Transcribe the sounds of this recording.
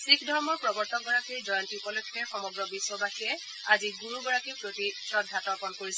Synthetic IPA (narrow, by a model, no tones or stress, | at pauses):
sikʰdʱɔɹmɔɹpɹɔbɔɹtɔɡɔɹakiɹzɔjɔntipɔlokʰːɛxɔmɔɡɹɔbiswɔbaxiɛ | aziɡuɹuɡɔɹakiɹpɹotisɹɔdʱːatɔɹpɔnkoɹisɛ